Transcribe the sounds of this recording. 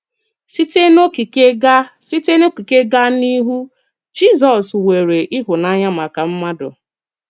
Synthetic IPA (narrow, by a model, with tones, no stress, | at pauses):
si˦te˦no˦ki˨ke˦ɡa˦si˦te˦no˦ki˨ke˦ɡa˦ni˦ɦu˦ | d͡ʒi˦˨zɔ˨swe˨ɾe˨ʔi˦ɦʊ˨na˦ɲa˦ma˨ka˨m̩˦ma˦dʊ̰˨